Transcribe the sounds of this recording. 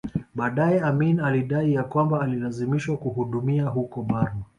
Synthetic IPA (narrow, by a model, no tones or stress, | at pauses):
ɓaːɗajɛaminaliɗaijakwambaːlilazimiʃwakuhuɗumiaɦukɔɓaɾma